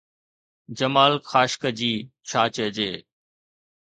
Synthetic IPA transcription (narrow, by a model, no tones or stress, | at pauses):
d͡ʑəmaːlxaːʃkəd͡ʑiːt͡ɕʰaːt͡ɕəd͡ʑeː